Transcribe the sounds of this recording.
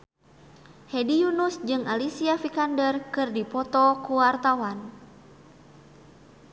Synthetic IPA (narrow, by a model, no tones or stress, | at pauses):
hɛdijunusd͡ʒɨŋʔalisiafikandərkɨrdipɔt̪ɔkuwart̪awan